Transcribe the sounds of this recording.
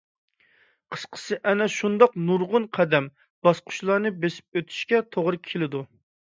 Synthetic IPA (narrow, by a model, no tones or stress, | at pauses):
qʰə̥sqʰə̥sɨʔɛnɛʃund̪ɑqnuɾʁʊnqʰæd̪ɛm | b̥ɑsqʰʊ̥ʃlˠɑɾnɨbesɪ̥p̚øt̪ʰy̥ʃkʲɛt̪ʰoʁɾɨkʲʰelɪd̪u